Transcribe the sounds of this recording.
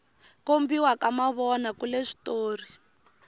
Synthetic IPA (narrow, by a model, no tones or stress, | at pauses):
kombiwakamaβɔnakuleʂi̥toːri